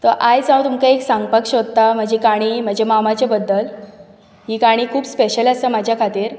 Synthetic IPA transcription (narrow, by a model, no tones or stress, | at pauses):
t̪əʔajd͡zãw̃t̪umkaeksãŋɡ̚pəkʂot̪ːam̤əd͡ʑekaɽ̃im̤əd͡ʑemamat͡ɕjabəd̪ːəl | ɦiːkaɽ̃iːkʰuːbspeɕələsəmad͡ʑʱjakʰat̪iːɾ